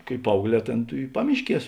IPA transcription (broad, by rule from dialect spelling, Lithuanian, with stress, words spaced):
kɐɪ ˈpɐɐʊɡˌlʲɛː ˈtʲeːn tuː ɪ ˈpɑːmʲɪʃʲˌkʲiɛs